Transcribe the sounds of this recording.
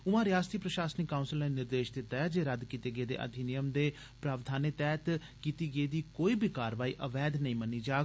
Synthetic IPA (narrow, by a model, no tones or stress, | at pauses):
ʊmãːɾɪjaːst̪iːpɾəʃaːsnɪkːaʊ̃nsəlneːnɪɾd̪eːʃd̪eːt̪ɛːd͡ʒeːɾəd̪kiːt̪eːɡəːd̪ḛːʔə̰d̪ʱiːnɪjəmd̪eː | pɾaːʋd̪ʱaːnet̪ɛːt̪ | kiːt̪iːɡəiːd̪iːkoːiːbiːkaːɾʋaːḭːʔəʋɛːd̪nəĩːmənːiːd͡ʒaː